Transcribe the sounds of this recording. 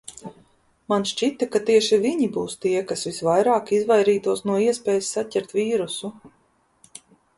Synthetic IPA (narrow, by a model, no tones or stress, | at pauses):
manʃt͡ʃit̪akat̪iɛʃiviɲibuːst̪iɛkasvisvajɾaːkizvajɾiːt̪uɔsnuɔiɛspʲɛːjsːacʲɛɾt̪viːɾusu